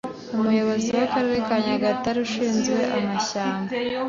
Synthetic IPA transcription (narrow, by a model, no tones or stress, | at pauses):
umujo̞βo̞ziwakaɾeɾekaɲaɡataɾuʃiːnzɡwe̞ʔamaçaːmɡa